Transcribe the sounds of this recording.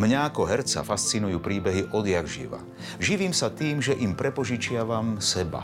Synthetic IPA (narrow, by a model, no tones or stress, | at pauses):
mɲaakɔɦɛɾt͡sa̰fast͡sinujuːpɾiːbɛɦiʔɔd̪jaɡʒḭʋa̰ | ʒiʋiːmsat̪iːmʒɛʔimpɾɛpɔʒit͡ʃɪaʋamsɛba̰